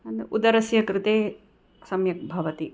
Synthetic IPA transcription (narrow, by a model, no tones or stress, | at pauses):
ɐnd̪eud̪ɐɾɐsjɐkɾɪt̪eː | sɐmjɐk̚bʱɐʋɐt̪i